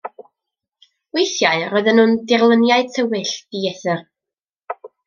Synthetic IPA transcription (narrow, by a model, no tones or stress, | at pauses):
wejθjaɨrɔɨðənhʊndɪrlˠənjaɨtʰəwɪɬd̥iɛθɨr